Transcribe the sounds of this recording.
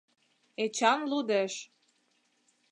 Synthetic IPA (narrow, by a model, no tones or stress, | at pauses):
et͡ɕɑnlud̪eʃ